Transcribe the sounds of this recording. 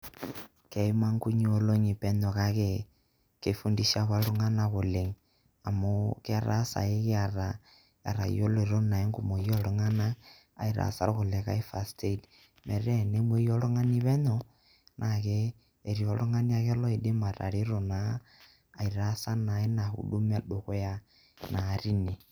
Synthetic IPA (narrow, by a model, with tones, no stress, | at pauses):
ke˨i˦ma˦ŋku˦ɲ˦o˨lo˦ɲi˨pɛ˦ɲɔ˨ka˦ke˦ | ke˨fu˦ndi˦ʃa˦ka˦lu˦ŋa˦na˦ko˨le˨ŋ | a˨mo˦ke˦a˨ɾa̰˦sa̰˨e˦ke˦a˨ɾa˨ | a̰˨ɾa̰˨jo˦lo˨ɾo˦na˨e˦ŋɡu˨mo˨jɔ˦lo˨˦ŋa˦na̰ː˦˨ | i˨ɾa̰˨sa̰˦ɾko˨le˨ka̰˦i˦fa˨stʰe˦t | mɛ˨ɾɛ˦ne˦mwe˦jɔ˦lo˦ŋa˦ni˦βɛ˦ɲɔ˦ | nʔa˨keː˦˨ | ɾi˨ɔ˨lo˦ŋa˦ni˦a˦kɛ˦lɔ˦i˨de˦ma˨ɾa̰˨ɾi˦ɾo˨naː˦˨ | i˨ɾa˦sa˦na˨e˦na˨hṵ˨ɗu˦m˦a˦ɗo˨ke˦ja˦ | na˨ɾi˦ne˨